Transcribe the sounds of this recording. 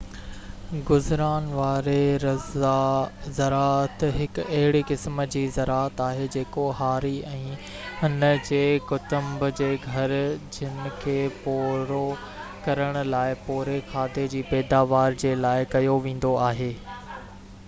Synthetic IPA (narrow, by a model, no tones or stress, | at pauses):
ɡʊzɾaːnʋaːɾeɾɐzazɐɾaːət̪ɦɪkɐɦɪɽikɪsm̆d͡ʑiːzɐɾaːət̪aːɦed͡ʑeːkoɦaːɾiɛ̃ː | ʊnəd͡ʑeːkʊt̪ʊ̃mbʊd͡ʑeːɡʱɐɾd͡ʑɪnɪ̆kʰeːpoːɾo | kɐɾəɽ̃ʊ̆laːɪpoːɾexʰaːd̪ed͡ʑiːpɛːd̪aːʋaːɾd͡ʑeːlaːɪkɐjoʋẽːn̆d̪oaːɦeː